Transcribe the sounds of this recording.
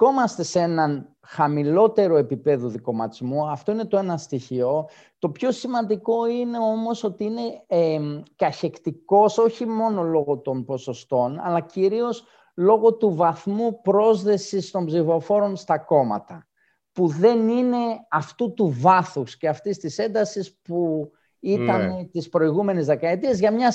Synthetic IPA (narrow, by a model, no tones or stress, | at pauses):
o̞mɐst̪e̞seenɐn | xɐmilo̞t̪e̞ɾo̞e̞pipe̞ðuðiko̞mɐt̪izmuɐft̪o̞ine̞t̪o̞e̞nɐst̪içio̞ | t̪o̞pço̞simɐnd̪iko̞ine̞o̞mo̞so̞t̪iine̞ | kɐçe̞kt̪iko̞so̞çimo̞no̞lo̞ɣo̞t̪o̞npo̞so̞st̪o̞nɐ̰lɐciɾio̞s | lo̞ɣo̞t̪uvɐθmupɾo̞zðe̞sist̪o̞mbzifo̞fo̞ɾo̞nst̪ɐko̞mɐ̰t̪ɐ | puðe̞nine̞ɐft̪ut̪uvɐθusce̞ɐft̪ist̪ise̞nd̪ɐsispu | it̪ɐnt̪ispɾo̞iɣume̞nizðe̞kɐe̞t̪iezʝɐmɲɐ